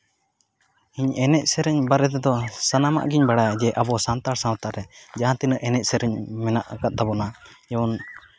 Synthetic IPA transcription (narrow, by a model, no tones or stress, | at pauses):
iɲɛnɛc̚sɛɾɛɲbaɾɛt̪ɛd̪ɔsanama̰ʔɡiɲbaɽad͡ʒɛʔabɔsant̪aɾsawat̪aʔɾɛd͡ʒaɦãt̪inəʔɛnɛc̚ˀsɛɾɛɲmɛnaʔkat̪̚t̪abɔnajɛwɔn